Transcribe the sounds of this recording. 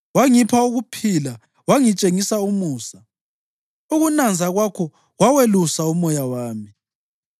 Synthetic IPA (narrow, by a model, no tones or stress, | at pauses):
waŋipʰauɣupʰila | waŋit͡ʃʼeŋisaumuːsa | uɣunand͡zʱaɣwakʰɔ | ɣwawelusaumɔjawaːmi